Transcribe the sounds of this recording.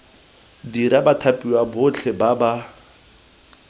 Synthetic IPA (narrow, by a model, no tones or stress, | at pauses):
diɾabatʰapʼiwabʊt͡ɬʰɛbaba